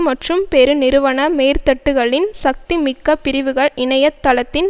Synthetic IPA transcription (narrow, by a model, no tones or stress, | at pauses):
mɐʈrɯmpeɾɯnɪɾɯʋɐɳɐmeːɾt̪ɐʈːɯɣɐɭɪnsɐk̚t̪imɪkːɐpɪɾɪʋɯɣɐɭɪɳɐjɐt̪ːɐɭɐt̪ːɪn